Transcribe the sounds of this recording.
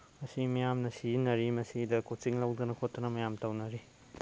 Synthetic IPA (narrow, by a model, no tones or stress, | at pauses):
mɐsimɐjamnɐsinɐɾimɐsidɐkʰot̚t͡ʃiŋlɐwdɐnɐkʰotːɐnɐmɐjamtɐwnɐɾi